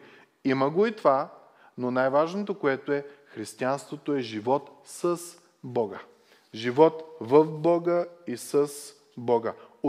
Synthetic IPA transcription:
iməɡoit̪va | nonajvaʒnot̪okoɛt̪oɛxɾist̪ianst̪vot̪oɛʒivɔt̪səs | bɔɡə | ʒivɔt̪vəfbɔɡəisəs | bɔɡəo

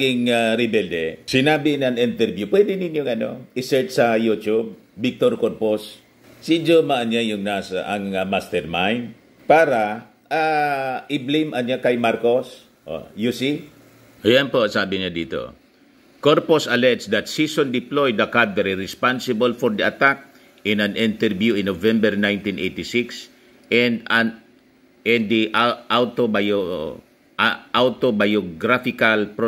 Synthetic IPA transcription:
ɡɪŋaɾɪbɛld̪ɛsɪnaːbɪnaŋɪnt̪ɛɾbjupwɛd̪ɪnɪnjoŋʔɐno̰ʔɪsɛɹt͡ʃsɐjut͡ʃub̚ːɪk̚t̪oɾkoɾpos | sid͡ʒomaʔanjajʊŋnaːsaʔɐŋamast̪ɛɾmajn | paːɾa | ʔaɪblimʔɐnɲjakɐjmaɾkos | ʔo̰jusi | ɐjanposaːbɪɲad̪iːt̪o̰ | koɾposɐlɛt̪sd̪ɐt̪sisõnd̪ɪplojd̪ɐkad̪ɛɾiɾɪspansɪbolfɔɹd̪iʔɐt̪ak̚ | ɪ̃nãnɪ̃nt̪ɛɹvjuɪ̃nːovɛ̃mbɛɹnãjnt̪ĩnʔejt̪ɪsiks | ɛn | ɛ̃nd̪iʔʔawt̪obo | ʔawt̪obajoɡɾafɪkalpɾ

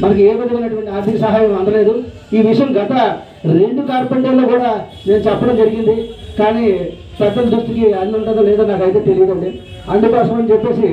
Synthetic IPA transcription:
mɐnɐkieːʋɐd̪uɐnːɐʈuʋɐɳʈiaːɾt̪ʰikɐsɐɦaːjɐmɐnd̪ɐle̞ːd̪u | iːʋiʂɐjɐmɡɐt̪ɐ | ɾe̞ɳɖukaːɾpeɳʈelːo̞ːkuːɽaː | ne̞ːnut͡ʃɛpːɐɽɐmd͡ʒɐɾiɡind̪ikaːniː | pɛd̪ːɐld̪ɾust̪ikiɐnːɐɳʈ̪ɐd̪olɛːd̪aːnaːkɐjt̪e̞ːt̪elijɐd̪ɐɳɖi | ɐɳɖikɔːʂɐmɐnit͡ʃɛpːe̞ːsi

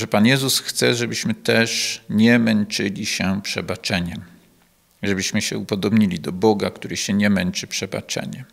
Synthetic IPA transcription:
ʐɛpanjɛzusxt̪sɛʐɛbɘɕmɘt̪ɛʂɲɛmɛnt͡ʂɘlʲiɕɛpʂɛbat͡ʂɛɲɛm | ʐɛbɘɕmɘɕɛ̰upɔd̪ɔbɲilʲid̪ɔbɔɡakt̪uɾɘɕɛɲɛmɛnt͡ʂɘpʂɛba̰t͡ʂɛ̰ɲɛ

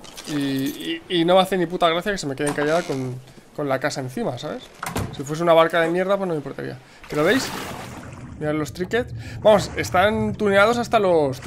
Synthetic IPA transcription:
iː | no̞meaθeniput̪aɣ̞ɾaθjake̞se̞me̞keeŋkaʝaðako̞n | ko̞nlakasae̞n̟θimasaβe̞ssifwe̞s̬eunaβaɾkaðe̞mje̞ɾðapwo̞znomeimpo̞ɾt̪a̰ɾḭa̰ | pe̞ɾo̞β̞e̞js | miɾalo̞st̪ɾike̞t̪sbamo̞se̞st̪ant̪uneað̞o̞sast̪alo̞s

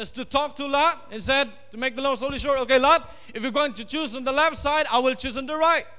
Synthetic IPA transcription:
d͡ʒʌstutʰɔk̚tʰulat̚ɛ̃nsɛd̚tumek̚d̪əlõnsoliʃɔɹokelat̚ | ɪfjuɡoɪ̃ŋtut͡ʃusə̃ndəlɛftsaɪdaɪwɪlt͡ʃus̬ə̃ndəɹaɪt̚

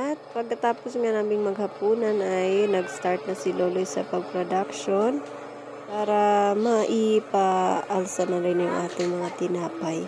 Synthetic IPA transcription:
ʔɐt̪̚pɐɡ̚kɐt̪aːposŋanaːmɪŋmɐɡhɐpuːnɐnʔɐjnɐɡst̪aɹt̪̚nɐsɪloːlojsɐpɐɡ̚pɾod̪akʃon | paːɾɐmɐʔipɐʔɐlsɐnɐɾɪnjʊŋʔaːt̪ɪŋmɐŋat̪ɪnaːpɐj

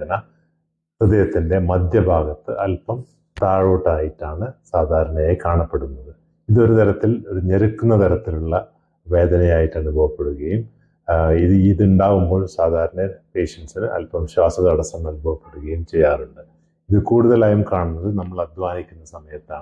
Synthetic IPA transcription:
ɐnɐ | rɨd̪ɐjɐt̪ːinde̞mɐd̪ʱjɐbʱaːɡɐt̪ːɨʔɐlpɐm | t̪aːɻo̞ːʈːaːjiʈːaːɳɨsaːd̪ʱaːɾɐɳɐjajkaːɳɐpːe̞ɽunːɐðɨ | iðo̞ɾut̪ɐɾɐt̪ːiloɾuɲeɾukːunːɐt̪ɐɾɐt̪ːiluɭːɐ | ʋe̞ːd̪ɐnɐjaːjiʈːɐɳubʱɐʋɐpːe̞ɽuɣɐjum | iðɨiðuɳɖaːʋumbo̞ːɭsaːd̪ʱaːɾɐnɐpe̞ːɕɐnsinɨʔɐ̰lpɐmɕwaːsɐðɐɐɽɐsɐmːɐnubʱɐʋɐpːe̞ɽuɣɐjumt͡ɕe̞jːaːruɳɖɨ | iðɨkuːɽuðɐlaːjumkaːɳunːɐðɨnɐmːɐɭɐd̪ʱʋaːnikʲːunːɐsɐmɐjɐt̪ːaːɳɨ

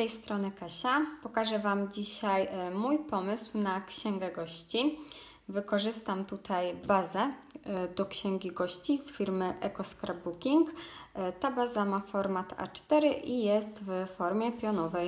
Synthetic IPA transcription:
st̪ɛjst̪ɾɔnɘkaɕapɔkaʐɛvamd͡ʑiɕajmujpɔmɘswnakɕɛŋɡɛɡɔɕt͡ɕi | vɘkɔʐɘst̪amt̪ut̪ʰajbazɛd̪ɔkɕɛŋɡʲiɡɔɕt͡ɕizfʲiɾmɘʔɛkɔskɾabukʲiŋkt̪abazamafɔɾmat̪a̰t͡ʂt̪ɛɾɘʔijɛst̪vfɔɾmʲjɛpʲjɔnɔvɛj

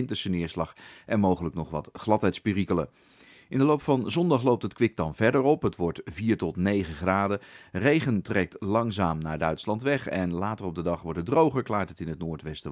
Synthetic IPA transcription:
ɪntəsənɪːɹslɑχʔɛnmowχələknɔχʋɑ̰tχlɑtɦɛjtspɪrikələ | ʔɪndəlowpfɑnzɔndɑχlowp̚tətkʋɪk̚dɑnvɛɹdəɹɔpɦətʋɔɹtviːɹtɔtnejχəχraːdərejχəntrɛk̚tlɑŋzaːmnaːɹdœɥtslɑntʋɛχɛnlaːtərɔb̚dədɑχʋɔɹtədrowχəɹklaːɹtətɪnɦətnʊːɹtʋɛstə

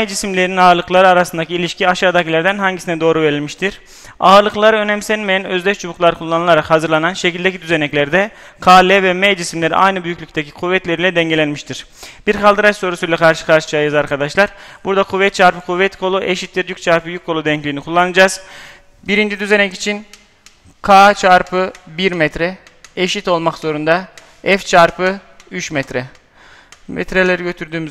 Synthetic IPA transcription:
ɛjd͡ʒisimlʲeɾininaːɾlˠɯklˠaɾɯaɾasɯnd̪acʰɯilʲiʃcʰiaʃaːd̪acʰilʲæɾd̪ænɦaɲɟisinɛd̪o̞ːɾuveɾilʲmiʃt̪ʰiɾ̥ | aːɾlˠɯklˠaɾɯø̞nɛmsɛnmejænø̞zd̪ʲɛʃt͡ʃʰubuklˠaɾɯkʰulˠːanɯlˠaɾakhazɯɾlˠananʃecilʲd̪ecid̪yzenɛclʲæɾd̪ɛ | kʰaːlʲɛvɛmɛjd͡ʒisimlʲe̞ɾḭʔa̰jnɯbyjyclʲyc̚ʲt̪ʰecʰi̥kʰuvːɛt̪lʲeɾilʲɛd̪ɛɲɟe̞lʲænmiʃt̪ʰiɾ̥ | b̥iɾkʰalˠd̪ɯɾat͡ʃso̞ɾusujlʲˠɛkʰaɾʃɯ̥kʰaɾʃɯ̥t͡ʃʰaːjazaɾkʰad̪aʃlˠaɾbuɾd̪akʰuvːɛt̪̚t͡ʃʰaɾpɯkʰuvːɛt̪kʰo̞lˠuʔeʃit̪̚bʲiɾjyc̚t͡ʃʰaɾpɯjyk̚kʰːo̞lˠud̪ɛɲclʲiːnikʰulˠːanɯd͡ʒaːz̥ | biɾind͡ʒid̪yze̞nɛci̥t͡ʃʰin | kʰaːt͡ʃʰaɾpʰɯbiɾmɛt̪ɾɛ | eʃit̪o̞lˠmakz̥o̞ɾund̪a | ɛft͡ʃʰaɾpɯ | yt͡ʃmɛt̪ʰɾɛ | mɛ̰t̪ɾelʲeɾiɟø̞t̪ʰyɾd̪yːmyz

